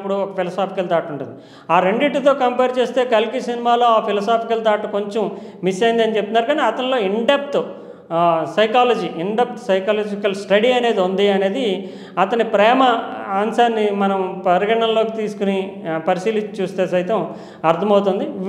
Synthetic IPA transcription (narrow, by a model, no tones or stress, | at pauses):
pːuɽuɔkɐpʰilɐsaːpikɐlt̪aːʈuɳʈund̪i | aːɾeɳɖiʈːt̪oːkɐmpɛːɾt͡ʃe̞ːst̪e̞ːkɐlkisinimaːloːaːpʰilɐsaːpikɐlt̪aːʈɐko̞ɲt͡ʃɐm | misɐjind̪ɐnit͡ʃep̚t̪unːaːɾkaːneɐt̪ɐnlo̞ːiɳɖep̚ʈ | sɐjkaːlɐd͡ʒiːʔiɳɖep̚ʈsɐjkaːlɐːd͡ʒikɐlsʈɐɽiɐne̞ːd̪iund̪iɐne̞ːd̪i | ɐt̪ɐnipɾɛːmɐaːnsaːnːimɐnɐmpɐɾiɡɐɳɐnlo̞ːkit̪iːsu̥kunipɐɾisiːliɲt͡ʃut͡ʃuːst̪e̞ːsɐjt̪ɐm | ɐɾt̪ʰɐmɐwt̪und̪i